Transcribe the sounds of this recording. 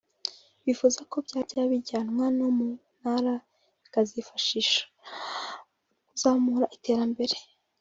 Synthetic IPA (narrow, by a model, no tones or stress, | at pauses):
βifuzako̞bɟaːɾɟaβiɟaːnŋwanomun̥haɾa | βikazifaʃiʃḁ | kuzaːhomuɾaʔite̞ːɾambe̞ɾe